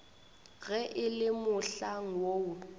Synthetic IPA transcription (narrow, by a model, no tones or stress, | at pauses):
ɣɛʔɪlɪmʊɬaŋ̩woʊ